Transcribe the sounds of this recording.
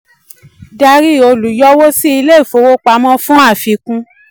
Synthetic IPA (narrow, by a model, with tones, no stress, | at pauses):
da˧ɾi˦˨o˧lu˨jɔ˦wo˦si˦i˧le˦˨fo˨˧wo˦k͡pa˧˦mɔ̃˦fũ˦a˦˨fi˧kũ˧˦